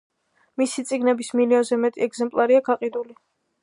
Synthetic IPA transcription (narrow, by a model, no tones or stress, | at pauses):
misit̪sʼiɡnɛbismiliɔnzɛmɛt̪ʼiɛɡzɛmpʼlˠaɾiakʰaqʼid̪uli